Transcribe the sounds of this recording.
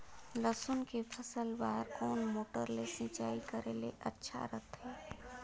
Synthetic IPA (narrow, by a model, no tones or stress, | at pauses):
ləsʊnkepʰəsəlʋaːɾkɔːnmoːʈəɾlesĩːt͡ʃaːikəɾelḛʔɐtːʃʰa̰ɾət̪ɦɛː